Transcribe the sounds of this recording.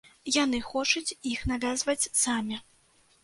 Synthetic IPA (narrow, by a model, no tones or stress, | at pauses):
janɨxɔt͡ʂut͡sʲixnavʲazvɐt͡sʲsamʲi